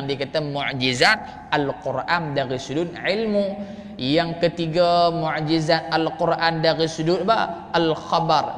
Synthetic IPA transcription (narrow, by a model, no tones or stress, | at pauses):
ŋdikat̪amuʕd͡ʒizat̪̚ | alqurʔandaɣisudud̪ʕilmu | jaŋkət̪iɡamuʕd͡ʒizat̪̚alqurʔandaɣisududapa̰ʔalxabar